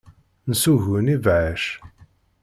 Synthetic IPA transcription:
nsuʝunivʕəʃ

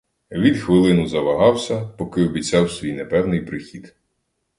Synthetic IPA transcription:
ʋʲid̪xʋɪlˠɪnʊzɐʋɐɦɑwsʲɐpɔkɪɔbʲit͡sʲɑwsʲʋʲijnepɛwnɪjpɾɪxʲid̪

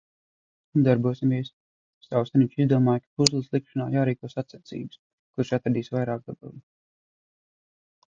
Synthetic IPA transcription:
und̪aɾbuɔsimviɛs | st̪awst̪aɾniɲt͡ʃizd̪uɔmaːjkḁpuzlˠɨslˠikʃana̰ːjaːɾiːkuɔsat̪sat̪sḭːbɨs | kuɾʃat̪ɾad̪iːsvajɾaːk̚d̪aba̰lˠ

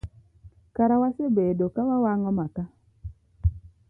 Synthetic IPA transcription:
kaɾawasebedokawawaŋɔmaka

